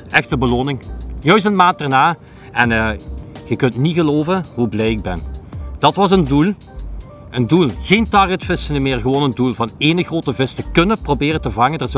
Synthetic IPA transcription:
ʔɛxtəbəloːnɪŋjœɥs̬tənmaːnt̚dɛrnaː | ʔɛnəɣəkɵntniɣəloːvənɦublɛjɪɡ̚bɛnd̥ɑtʋɑs̬əndulˠ | ʔəndulˠɣeːntɑːrətfɪsənəmɪːrɣəʋoːnəndulˠvɑneːnəɣroːtəvɪstəkɵnəprobɪːrəntəvɑŋəndəz

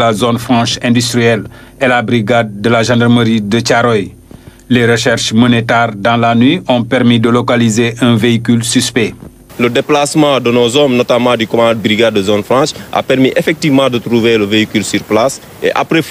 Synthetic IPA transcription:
lazonfrɑ̃ʃɛ̃dyst̪riɛl | elabriɡad̪̚ːəlaʒɑ̃darməɾidət͡ʃaɾɔj | leɾəʃɛrʃmɔnetɛrdɑ̃lanɥiʔɔ̃pɛrmidəlokalizeʔɛ̃veikylsyspe | lədeplasmɑ̃d̪ənozɔmnɔt̪amɑ̃d̪ykɔmãd̪̚bɾiɡad̪ːəzonfɾɑ̃ʃa̰pɛɾmiʔefɛk̚tivmɑ̃d̪ət̪ɾuveləveikylsyɾplas | ḛʔa̰pɾe

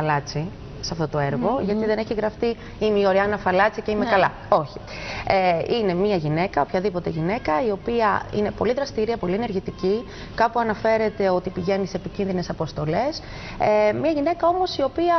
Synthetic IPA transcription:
ɐlɐt͡si | sɐft̪o̞t̪oeɾɣo̞ʝɐt̪iðe̞neçiɣɾɐft̪i | imeio̞ɾiɐnɐfɐlɐt͡sice̞imekɐlɐ | o̞çi̥ | eine̞miɐʝine̞kɐo̞pçɐðipo̞t̪e̞ʝine̞kɐio̞piɐḭne̞po̞̰liðɾɐst̪iɾiɐpo̞liene̞ɾʝit̪ici | kɐpuɐnɐfe̞ɾe̞t̪e̞o̞t̪ipiʝe̞niseːpicinðine̞sɐpo̞st̪o̞le̞s | emɲɐʝine̞kɐo̞mo̞sio̞piɐ

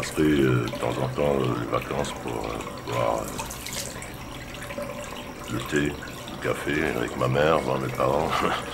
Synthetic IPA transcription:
asʁɛød̪ət̪ɑ̰̃zɑ̃t̪ɑ̃ølevakɑ̃spuʁø̰pvwa̰ʁø̰ | lət̪e | ukafea̰vɛ̰kmamɛʁmãmepaʁɑ̃

